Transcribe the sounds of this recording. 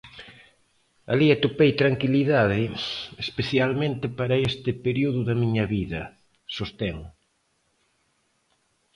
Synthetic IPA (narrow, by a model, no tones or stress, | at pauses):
a̰liat̪opejt̪ɾaŋkiliðaðɪespeθjalmẽnt̪ɪpaɾɐest̪ɪpeɾiuðʊðɐmiɲɐβiðɐ | sost̪eŋ